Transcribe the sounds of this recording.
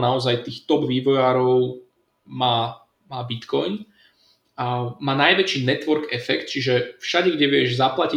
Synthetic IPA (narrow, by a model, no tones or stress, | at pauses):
naɔzajt̪iːxt̪ɔbʋiːʋɔjaːɾɔʊ | maː | maːbit̪kɔjn | amaːnajʋɛt͡ʃiːnɛt̪ʋɔɾɡɛfɛkt̪̚t͡ʃiʒɛfʃaɟɛɡɟɛʋɪɛʒzaplaci